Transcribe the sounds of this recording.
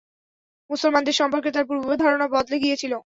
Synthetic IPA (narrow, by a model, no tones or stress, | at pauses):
musolmand̪eɾʃɔmpoɾket̪aɾp̬ubʱuod̪ʱaɾonabɔd̪leɡijet͡ɕʰilo